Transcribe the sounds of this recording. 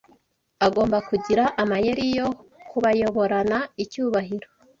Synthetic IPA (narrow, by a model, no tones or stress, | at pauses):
aɡo̞ːmbakuɟiɾaʔamaje̞ɾijo̞kuβajoβo̞ɾanaicuːβaɦiɾo